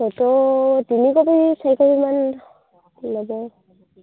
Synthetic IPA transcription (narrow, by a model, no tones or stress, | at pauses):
ɔtɔtinikɔbisajkɔliman | nɔbɔ